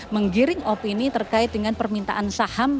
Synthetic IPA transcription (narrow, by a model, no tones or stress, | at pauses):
məŋɡiɾɪŋopinit̪ərkaɪt̪̚dəŋanpərmint̪a̰ʔansaham